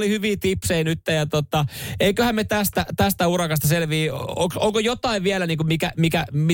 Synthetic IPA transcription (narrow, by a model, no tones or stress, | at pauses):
lihyʋiːt̪ipseinyt̪ːejɑt̪ot̪ɑeikøhæmmet̪æst̪æt̪æst̪æurɑkɑst̪ɑselʋiːoksoŋkojot̪ɑiʋʋiælæniːŋkumikæmikæmi